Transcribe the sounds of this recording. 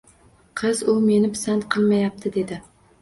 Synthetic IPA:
qʰɨzʊme̞nɪpsant̪qʰɨlˠmajap̚t̪ʰɪd̪e̞d̪ɪ

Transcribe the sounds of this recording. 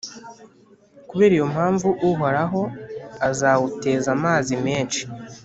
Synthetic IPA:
kuβe̞ːɾijo̞mhaːɱvuʔuɦo̞ɾaɦo̞azawute̞ːzamaːzimeːnt͡ʃi̥

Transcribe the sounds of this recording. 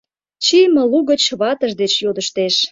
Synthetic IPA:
t͡ɕijmə̆luɣə̆t͡ɕβɑt̪əʒd̪et͡ɕjod̪əʃt̪eʃ

